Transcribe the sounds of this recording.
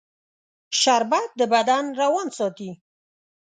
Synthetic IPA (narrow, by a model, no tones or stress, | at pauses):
ʃaɾbad̪əbad̪anɾawɑnsɔt̪i